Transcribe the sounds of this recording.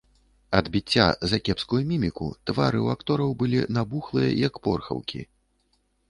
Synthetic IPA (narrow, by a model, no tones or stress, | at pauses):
ɐd̪bʲit͡sʲːa̰zɐkʲɛpskujumʲimʲikṵt̪vaɾɨwakt̪ɔɾɐwbɨlʲinabuxlˠɨjɐ̰jɐkpɔ̰rxɐ̰wkʲḭ